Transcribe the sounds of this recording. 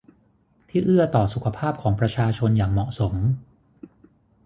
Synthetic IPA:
t̪ʰiː˥˩ʔɯ˥˩ɐt̪ɔː˨˩su˨˩kʰa˧pʰaː˥˩p̚kʰɔː˩˦ŋpɾa˧t͡ɕʰaː˧t͡ɕʰo˧njaː˨˩ŋmɔ˨˩ʔso˩˦m

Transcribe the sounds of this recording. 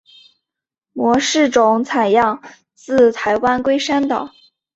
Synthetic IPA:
mwɔ˧˥ʂɻ̩˥˩ʈ͡ʂʊ˧˩˥ŋt͡sʰa˨˩ɪjɑ˥˧ŋ | t͡sɹ̩˥˩t̪ʰa˧˥ɪwa˥nkwe˥ɪʂa˥nt̪ɑ˨˩˦

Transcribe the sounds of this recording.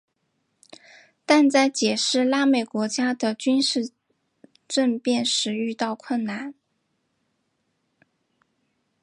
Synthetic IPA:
t̪a˥˧nt͡sa˥˩ɪt͡ɕjɛ˨˩ʂɻ̩˥˩la˥me˥˩ɪkwɔ˧˥t͡ɕja˥d̪ə˨t͡ɕy˥nʂɻ̩˥˧ | ʈ͡ʂə˥˧npjɛ˥˧nʂɻ̩˧˥y˥˧t̪ɑ˥˧ʊkʰwə˥˩nna˥˩n

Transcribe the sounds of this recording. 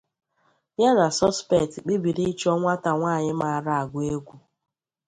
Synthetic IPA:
ja˦na˨sɔ˦spe˦˨tk͡pi˦bi˨ɾi˦t͡ʃɔ˦ŋʷa˦ta˨ŋʷaː˦˨ɲɪ˦ma˨a˨ɾa˦˨a˨ɡʷʊ˨˦e˦ɡʷu˨

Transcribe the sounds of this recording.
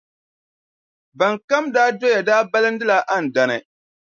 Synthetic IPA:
ba˨ŋka˦mdaː˦do˦ja˨daː˦ba˦lɨ˦ndɨ˦la˦ʔa˦n̩˨da˨nɨ˨

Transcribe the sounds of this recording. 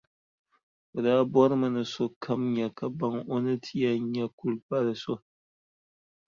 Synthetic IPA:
o˨daː˦bɔ˦ɾɨ˦mɨ˨nɨ˨so˦kʰa˦mɲɛ˨ka˨ba˦ŋo˦nɨ˦tʰi˦ja˦ɲɛ˦ku˦lpa˦lɨ˨so˦

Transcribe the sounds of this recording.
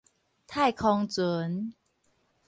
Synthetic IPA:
t̪ʰaː˥˩jkʰɔː˧ŋt͡ɕɤː˩˦n

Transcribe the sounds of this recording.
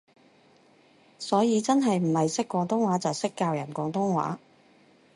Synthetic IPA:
sɔː˨˥jiː˨˧t͡sɐ˥nɦɐ˨jm̩˨˩hɐ˨jsɪ˥kːʷɔː˨˧˥ŋt̪ʊ˥ŋwaː˨˥t͡sɐ˨wsɪ˥kːaː˧wjɐ˨˩nkʷɔː˨˥ŋt̪ʊ˥ŋwa̰ː˨˥

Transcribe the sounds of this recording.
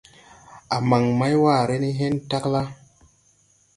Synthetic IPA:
a˨ma˨ŋma˦jwaː˦˨ɾe˦ni˦ɦe˦nta˦kla˦

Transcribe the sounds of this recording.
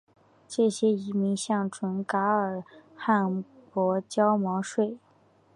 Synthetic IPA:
ʈ͡ʂɤ˥˩ɕjɛ˥i˧˥mi˧˥ŋɕjɑ˥˩ŋʈ͡ʂʰwə˧˥nka˧˥ə˞˨˩xa˥˩npwɔ˧˥t͡ɕjɑ˥ʊmɑ˧˥ʊʂwe˥˩ɪ

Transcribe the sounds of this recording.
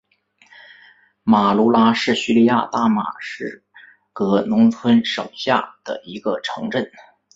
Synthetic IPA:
ma˨˩lu˧˥la˥ʂɻ̩˥˩ɕy˥˧li˥˧ja˥˧t̪a˥˩ma̰˨˩ʂɻ̩˥˩ | kɤ˧˥nʊ˧˥ŋt͡sʰwə˥nʂo˨˩ʊɕja̰˥˩d̪̥ə̰˩i˧˥ɡə˧ʈ͡ʂʰɤ˧˥ŋʈ͡ʂə˥˩n

